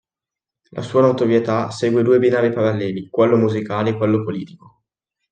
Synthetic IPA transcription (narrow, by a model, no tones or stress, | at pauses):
lʔa̰suːanot̪ovjet̪asɛːɡwed̪uːebinaːɾipaɾalːɛːlikwɛlːomuzikaːleːkwɛlːopoliːt̪iko